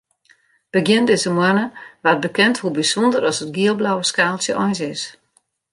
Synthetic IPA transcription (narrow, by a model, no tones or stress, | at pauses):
b̥əɡjɪndɪsəmwanəʋat̚bəkɛnthubisɔndəɾɔsət̚ɡiəlˠblawəskaːlˠsjəʔɔjnsɪs